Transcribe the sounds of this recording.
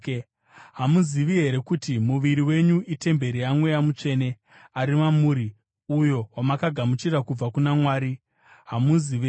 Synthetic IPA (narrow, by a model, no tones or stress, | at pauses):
ɦamuziʋiɦe̞ɾe̞kutimuʋiɾiwe̞ɲuʔite̞mbe̞ɾijamwe̞jamut͡ʂe̞ːne | aɾimamuːɾi | ujo̞wamakaɡʱamut͡ʃiɾakub͡vakunamwaːɾi | ɦamuziʋe